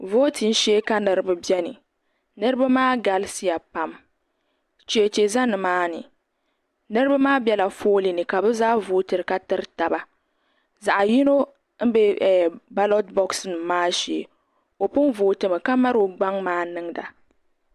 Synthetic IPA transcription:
voː˦ti˨n˦ʃɛ˦ka˦nɨ˨ɾɨ˦bɨ˦bi˦ɛ˦nɨ̰˨ | nɨ˦ɾɨ˦ba˦maː˦ɡa˨lsi˦ja˨pa˦m | t͡ʃi˨e˨t͡ʃe˨za˦nɨ˨maː˦nɨ̰˨ | nɨ˦ɾɨ˦ba˦maː˦bjɛ˦la˨foː˦li˨nɨ˨ka˨bɨ˦zaː˦voː˦tɨ˨ɾɨ˨ka˦tɨ˦ɾta˨ba˦ | za˨ʔa˨ji˦no˦ | m̩˦be˦˨ba˦lo˦tbɔ˦ksnɨ˨maː˦ʃe˨ | o˨pʊ˦n˦voː˨tɨ˨mɨ˨ka˦ma˦ɾo˨ɡ͡ba˦ŋmaː˦nɨ˦ŋda̰˨

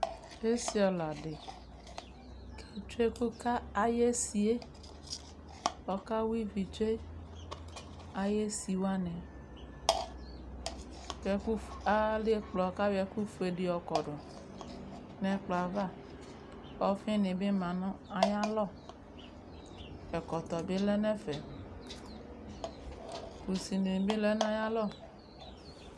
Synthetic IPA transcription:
e˦si˦ɔ˨la˨ɖe˨ | kʰe˨t͡ʃe˦ku˦ka˦a˨je˦si˨e˦ | ɔ˨ka˦wi˦vi˨t͡ʃe˦ | a˨je˦si˨wa˦nẽ˨ | wɛ˨ku˦fa˦le˦k͡plɔ˨ka˦wɛ˨ku˦fu˨e˨ɖe˨ɔ˨kɔ˨ɖɔ˨ | nɛ̃˨k͡plɔ˨a˨va˦˨ | ɔ˦fẽ˦nẽ˨be˦mã˨nɔ̃˦a˨ja˦lɔ˦˨ | ɛ˨kɔ˨t̪ɔ˨be˦lɛ˦nɛ̃˦fɛ˨ | ku˨si˨ne˨n˨be˦lɛ˦n˦a˦ja˦lɔ˦˨

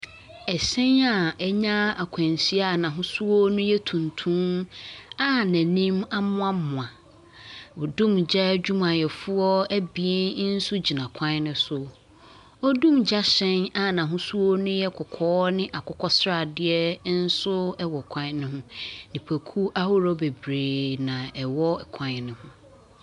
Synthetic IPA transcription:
ɛ˨sɛ̃˦na˨ɛ˦ɲã˦a˨kʷʰã˨n˨si˦a˦˨nã˨ɦʊ̃˦su˦wɔ˦nʊ̃˦jɛ˦tʰũ˨ntʰũ˦na˦næ̃˨nĩ˦ma˦mʊ̃˦a˦mʊ̃˨ã˨ | ɔ˨dũ˦md͡ʑɛ˦d͡ʑᶣu˦mã˨jɛ˨fʊ˦ɔ˦æ˦bi˨ɛ˦n˦n̩˦sʊ˦d͡ʑi˨nã˨kʷʰã˦nʊ̃˦sʊ˨ | ɔ˦dũ˦md͡ʑa˦ɕɛ̃˦na˦nã˨ɦʊ̃˦su˦o˦nʊ̃˦jɛ˦kʰʊ˨kʰɔː˦nɪ̃˦ʔa˨kʰʊ˦kʰɔ˦sɾa˨dɪ˦ɛ˦n̩˦sʊ˦ɛ˦wɔ˨kʷʰã˦ɲ˦nɪ̃˦ɦʊ̃˦nĩ˨pʰæ˨kʰu˦ʔa˦hʊ˦ɾɔ˦be˨bɾeː˨nã˨ɛ˨wɔ˦ɛ˨kʰã˨ɲnɪ̃˨hʊ̃˦

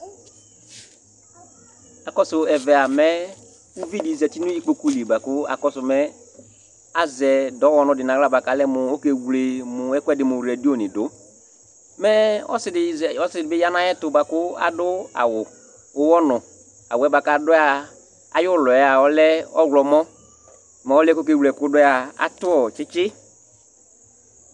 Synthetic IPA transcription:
a˨kɔ˦sʊ˨ɛ˨vɛ˨a˨mɛ˦ | u˦vi˦di˨zɛ˨ti˦nʊ̃˦i˦k͡po˨ku˦li˨ba˨kʊ˦a̰˨kɔ˦sʊ˨mɛ˦ | a˦zɛ˨dɔ˨˦wɔ˦nʊ̃˨dɪ˨nã˨ɣla˦˨ba˨ka˨˦lɛ˦mʊ˨o˦ke˨wle˨mʊ˨ɛ˦kwɛ˦dɪ˨mʊ̃˨ɾɛ˨di˦o˦˨nɪ̃˨dʊ˦ | mɛ˦ɔ̰˦sɪ˨dɪ˨ɔ˦sɪ˨dɪ˨bɪ˦ja˦nã˦jɛ˦tʊ˨ba˨kʊ˦a̰˨dʊ˦a̰˨wʊ˨ | ʊ˦wɔ˦nʊ˨ | a˨wʊ˨ɛ˦ba˨ka˦˨˦dʊ˦a˨ | a̰˨jʊ˦lɔ˨ɛ˦a˨ɔ˦lɛ˦ɔ˦ɡlɔ˨mɔ˦ | mɛ˨ɔ˦lɛ˦ko˦ke˦˨wlɛ˨kʊ˦dɔ˦a˨a̰˨tʊ˦ɔ˨t͡ʃɪ˦t͡ʃɪ˦

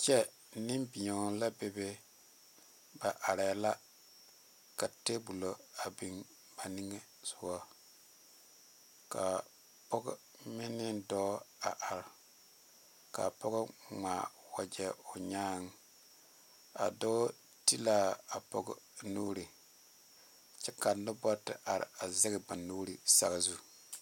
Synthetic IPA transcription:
t͡ʃɛ˦ | nɪ˦mbi˨ɔ˨la˦be˨be˦ | ba˨ʔa˨ɾɛ˨˦la˦ | ka˨te˦bu˨lo˨a˨bi˨ŋ | ba˨ni˦ŋe˦ | sʊ˨wɔ˦ | ka˨ | pɔ˦ɡ | mɪ˦nɪ˦dɔː˦a˨ʔa˨ɾ | ka̰˨pɔ˦ɡʊ˦ŋaː˨ | wa˨d͡ʒɛ˦o˨ɲaː˦ŋ˦ | a̰˨do˦ | ti˦la˦a˨pɔ̰˦ɡʊ˦nuː˦ɾi˨ | t͡ʃɛ˦ka˨nʊ˦bɔ˦tɪ̰˦ʔa˨ɾɪ̰˨a˨zɪ˦ɡɪ˨ba˨nuː˦ɾi˨sa̰˨ɡa˨zu˦

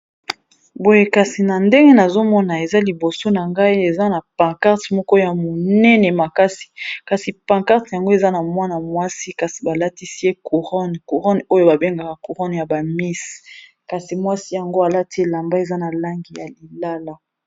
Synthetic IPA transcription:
bo˦je˦ka˨si˨na˨nde˦ŋɡe˦na˨zo˦mɔ˦na˨e˨za˦li˨bo˨so˦na˨ŋɡa˦i˦e˨za˦na˨pã˨ka˦ʁtmɔ˦kɔ˦ja˨mo˨nɛ˦nɛ˨ma˨ka˦si̥˨ka˨si˨pã˨ka˦ʁtja˨ŋɡo˦e˨za˦na˨mwa˦na˨mwa˦si˦ka˨si˨ba˨la˦ti˦si˦je˦ku˨ʁɔ˦nku˨ʁɔ˦no˦jo˦ba˨be˦ŋɡa˨ka˨ku˨ʁɔ˦nja˨ba˨mi˦s | ka˨si˨mwa˦si˦ja˨ŋɡo˦a˨la˦ti˦e˦la˨mba˦e˨za˦na˨la˦ŋɡi˨ja˨li˨la˦la˦

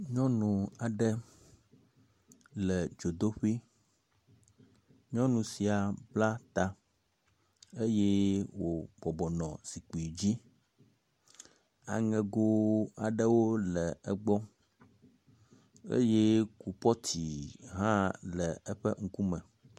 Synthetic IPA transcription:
ɲɔ̃˦nũ˨a˨ɖɛ˦ | lɛ˨d͡ʒo˨d̪o˦ɸi˦ | ɲɔ̃˦nũ˨si˨a˨bla˦t̪a˨ | e˦je˦wo˨bɔ˨bɔ˨nɔ̃˨si˨k͡pi˨d͡ʑi˦ | a̰˨ŋɛ̃˨ɡo˦a˨ɖə˦wo˦lɛ˨ɛ˦ɡ͡bɔ˦ | ḛ˦je˦ku˨pɔ˦t̪ʰi˨ɦã˦lɛ˨ɛ˦ɸɛ̰˦ŋ̩˦ku˦mɛ̃˨

